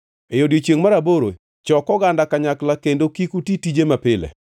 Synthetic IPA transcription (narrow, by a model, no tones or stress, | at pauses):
ejodjot͡ʃjeŋmaɾaboɾo̰ | t͡ʃɔkɔɡandakaɲaklakendokikutitid͡ʒemapɪlɛ̰